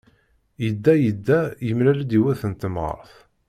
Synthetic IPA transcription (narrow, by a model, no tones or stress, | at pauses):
jəd̪ːæjəd̪ːæjəmlælæd̪iwæθənt̪əmʁə̰ɾθ